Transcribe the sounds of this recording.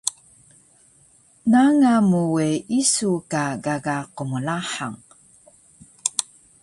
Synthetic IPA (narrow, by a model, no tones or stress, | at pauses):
naŋamuweisukaɡaɡaqumulaħa̰ŋ